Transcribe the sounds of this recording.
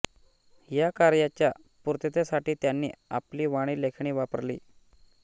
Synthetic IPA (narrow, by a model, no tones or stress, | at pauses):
jakaɾjat͡ɕja | puɾt̪et̪esaʈiːt̪janːḭːapliːʋaɽ̃iːlekʰɳiːʋapəɾlḭː